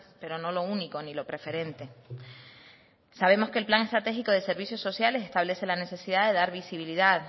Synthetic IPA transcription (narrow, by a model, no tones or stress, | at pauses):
pe̞ɾo̞no̞lo̞uniko̞nilo̞pɾe̞fe̞ɾe̞nt̪e̞ | saβe̞mo̞ske̞ːlplaŋe̞st̪ɾat̪e̞xiko̞ðe̞se̞ɾβisjo̞sːo̞sjalesest̪aβle̞se̞lane̞se̞siðaðe̞ðaɾβisiβiliðað